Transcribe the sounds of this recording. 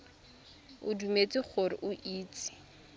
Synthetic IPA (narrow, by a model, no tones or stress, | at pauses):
ʊ̰dumet͡sʼɪχʰʊrɪ̰ʔʊʔiːt͡sʼɪ̥